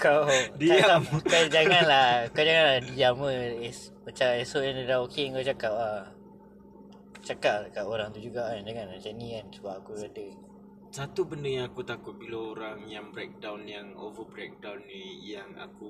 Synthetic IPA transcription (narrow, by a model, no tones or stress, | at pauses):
kawdiaakad͡ʒaŋanlakawd͡ʒaŋanladiaməespət͡ʃaesoandədaokeŋkawt͡ʃakap̚a | t͡ʃakapkaʔoɾaŋt̪ud͡ʒuɡaʔand͡ʒaŋanlat͡ʃanĩkansubaʔakuadə | sat̪ubəndəjaŋakut̪akʊt̪̚bilaoɾaŋjaŋbɾɛk̚dawnjaŋo̰vəbɾɛk̚dawnːijaŋa̰ku